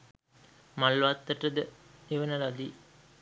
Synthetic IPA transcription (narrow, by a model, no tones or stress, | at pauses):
malːʋat̪ːəʈəd̪əeʋənəɾad̪i